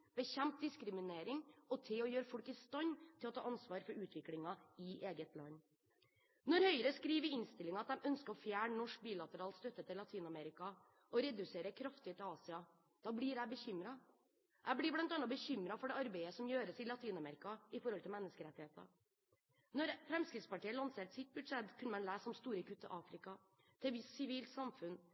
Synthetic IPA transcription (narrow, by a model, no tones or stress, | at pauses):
b̥əçɛmt̪̚d̪ɪskɾɪmɪneːɾɪŋɔt̪ʰɪɔjøːɾəfɔɽkɪst̪ɑɲt̪ʰɪlɔt̪ʰɑ̰ːʔɑnsʋɑːɾfɔɾʉːt̪ʰʋɪklɪŋɑɪʔeːɡət̪lɑ̰nː | nɔɾhœʏəɾəskɾiːʋəɪnst̪ɪlɪŋɑt̪̚d̪ɛmœnskəɾɔfjæːɳnɔʂk̚biːlɑt̪əɾɑːlst̪œt̪ːət̪ɪlːɑt̪ʰiːnɑmɛɾɪkɑ | ɔɾɛd̪ʉseːɾəkʰɾɑft̪ɪt̪ʰɪlɑːsɪɑ | d̪̥ɑːblɪɾæɪbəçʏmɾɑ | ʔæɪblɪblɑnt̪ɑnɑbəçʏmɾɑfɔɖɛɑɾbeɪəsɔmjøːɾəsɪlɑt̪ʰiːnɑmɛɾɪkɑɪfɔɾhɔlt̪ʰɪlmɛnːəskəɾɛt̪ɪheːt̪ə̰ | nɔɾfɾɛmskɾɪt̪spɑʈiːəlɑnseːʈsɪt̪̚bʉd̪ʂɛt̪kʰʉnəmɛnlæːsːɔmst̪uːɾəkʰʉt̪ːə̰ʔɑːfɾɪkɑ | t̪ʰɪɛʋɪssɪʋiːlt̪sɑmfʉn